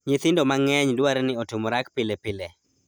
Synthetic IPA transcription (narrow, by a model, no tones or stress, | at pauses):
ɲit̪ɪndomaŋɛɲdwaɾɛnɪɔtumoɾakpɪlepɪle